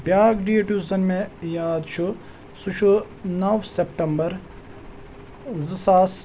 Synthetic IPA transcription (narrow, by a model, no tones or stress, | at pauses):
bjaːɡɖieʈuːzɐnmẽjaːd̪t͡ʃʰu | sut͡ʃʰu | nɐwsepʈɐmbɐɾ | zɨsaːs